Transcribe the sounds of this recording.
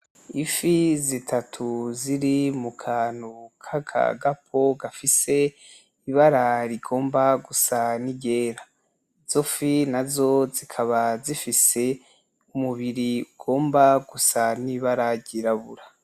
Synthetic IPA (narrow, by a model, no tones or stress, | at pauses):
ifizitʰatʰuziɾimukʰaːnukʰakʰa̰ɡap̚ʰo̞ɡafise̞ | iβaɾaɾiɡo̞ːmbaɡusaniɟe̞ːɾa | z̥ofinazo̞zikʰaβazifise̞ | umuβiɾiuɡ̥o̞ːmbaɡusaniβaɾaɟiɾaβuɾa